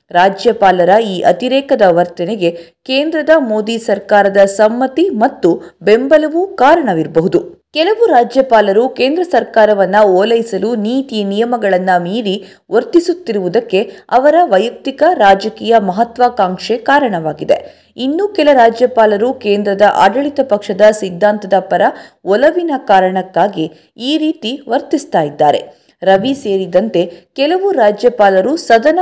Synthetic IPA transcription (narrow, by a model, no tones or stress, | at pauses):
ɾaːd͡ʒjɐpaːlɐɾɐiːʔɐ̰t̪iɾɛːkɐd̪ɐʋɐɾt̪ɐneɡe̞keːnd̪ɾɐd̪ɐmo̞ːd̪isɐɾkaːɾɐd̪ɐsɐmːɐt̪imɐt̪ːube̞mbɐlɐʋukaːɾɐɳɐʋiɾbɐɦud̪u | kɛlɐʋuɾaːd͡ʒjɐpaːlɐɾukeːnd̪ɾɐsɐɾkaːɾɐʋɐnːɐoːlɐjisɐluniːt̪inijɐmɐɡɐɭɐnːɐmiːɾi | ʋoɾt̪isut̪ːiɾuʋud̪ɐkːe̞ɐʋɐɾɐʋɐjɐk̚t̪ikɐɾaːd͡ʒɐkiːjɐmɐɦɐt̪ʋaːkaːŋʂekaːɾɐɳɐʋaːɡid̪e̞̰ | inːukɛlɐɾaːd͡ʒjɐpaːlɐɾukeːnd̪ɾɐd̪ɐʔaːɖɐɭit̪ɐpɐkʂɐd̪ɐsid̪ʱːaːnt̪ɐd̪ɐpɐɾɐɔlɐʋinɐkaːɾɐɳɐkːaːɡi | iːɾiːt̪iʋɐɾt̪ist̪aːjid̪ːaːɾe̞̰ | ɾɐʋise̞ːɾid̪ɐnt̪e̞kɛlɐʋuɾaːd͡ʒjɐpaːlɐɾusɐd̪ɐnɐ